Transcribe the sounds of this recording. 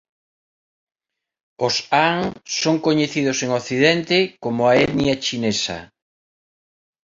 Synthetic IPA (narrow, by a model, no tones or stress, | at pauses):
osaŋsoŋkoɲeθiðʊseŋoθiðɛnt̪ekomʊaɛnjat͡ʃinesɐ̰